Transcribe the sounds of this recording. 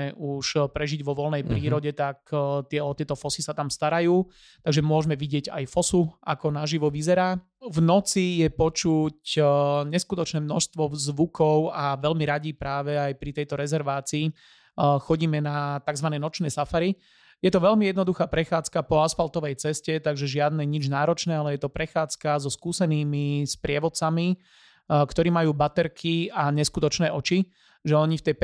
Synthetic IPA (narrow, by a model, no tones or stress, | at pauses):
ɛʔuʃpɾɛʒiɟʋɔʋɔlnɛjpɾiːɾɔɟɛt̪akt̪ɪɛɔt̪ɪɛt̪ɔfɔsisat̪amst̪aɾajuː | t̪aɡʒɛmʊɔʒmɛʋiɟɪɛɟa̰jfɔsua̰kɔnaʒiʋɔʋizɛɾaː | vnɔt͡sijɛpɔt͡ʃucɲɛskut̪ɔt͡ʃnɛːmnɔʃst̪ʋɔzʋukʰɔʊaʋɛlmiɾaɟipɾaːʋɛajpɾit̪ɛjt̪ɔɾɛzɛɾʋaːt͡siː | xɔɟiːmɛnat̪aɡzʋanɛjnɔt͡ʃnɛːsafaɾi | jɛt̪ɔʋɛlmijɛd̪nɔd̪uxaːpɾɛxaːt͡skapɔasfalt̪ɔʋɛjt͡sɛscɛt̪aɡʒɛʒɪad̪nɛɲid͡ʒnaːɾɔt͡ʃnɛːalɛjɛt̪ɔpɾɛxaːt͡skazɔskuːsɛniːmispɾɪɛʋɔt̪t͡sami | kt̪ɔɾiːmajuːbat̪ɛɾkʰiaɲɛskut̪ɔt͡ʃnɛːʔɔt͡ʃi | ʒɛɔɲift̪ɛj